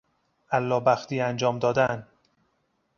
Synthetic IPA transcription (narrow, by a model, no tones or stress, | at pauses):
ʔælːɒːbæxt̪iːænd͡ʒɒːmd̪ɒːd̪æn